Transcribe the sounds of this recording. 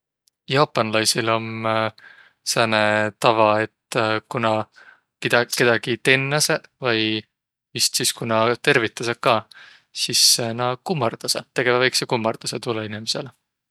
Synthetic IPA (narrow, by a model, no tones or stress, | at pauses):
jɑːpːˑɑnlɑjsilo̞m | sænet̪ɑvɑe̞t̪ːkunɑ | kid̪kːe̞d̪̥ɑɡ̥it̪e̞nːɑsevɑj | vist̪siskunɑt̪e̞rvit̪ːˑɑsɑkɑː | sisːnɑkumːɑrd̪̥ɑset̪e̞ɡ̥evɑvɑjksekumːɑrd̪̥ɑset̪ulːɑinimese̞l